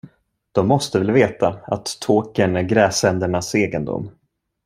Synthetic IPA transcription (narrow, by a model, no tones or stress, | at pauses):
d̪̥ɔmːɔst̪əvɛlveːt̪aa̰t̪ʰːoːkənæɾɡɾɛːsɛnd̪əɳaseːɡənd̪ʊ̰mː